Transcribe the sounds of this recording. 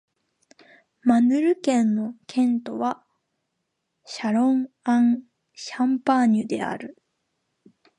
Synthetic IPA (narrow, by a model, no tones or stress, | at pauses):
manɯ̟ɾɯ̟kẽ̞nːo̞kʰẽ̞nt̪o̞βa | ɕaɾõ̞ɴ | ãŋ | ɕãmpaɲɯd̪e̞a̰ɾɯ̟